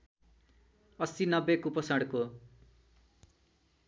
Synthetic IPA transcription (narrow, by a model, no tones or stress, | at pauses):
ʌsinʌbekupʌsaɽko